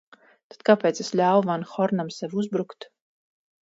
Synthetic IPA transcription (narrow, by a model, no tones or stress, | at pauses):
t̪ad̪̚kapeːt̪sesʎʲaːwvanxɔɾnamsɛvuzbɾukt̪